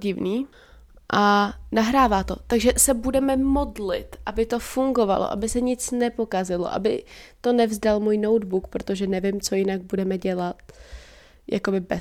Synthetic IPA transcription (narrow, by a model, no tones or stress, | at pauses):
ɟɪvniː | ʔanaɦɾaːvaːt̪o̞̰t̪aɡʒɛsɛbudɛmɛmo̞dlɪ̰t̪ʔabɪt̪o̞fuŋɡo̞va̰lo̰ʔa̰bɪsɛɲɪt͡snɛpo̞kazɪlo̞̰ʔa̰bɪ̰t̪o̞nɛvzdalmuːjno̞wdbukpɾo̞t̪o̞ʒɛnɛvɪmt͡so̞jɪnaɡ̚budɛmɛɟɛlat̪̚ | jʔa̰ko̞bɪbɛ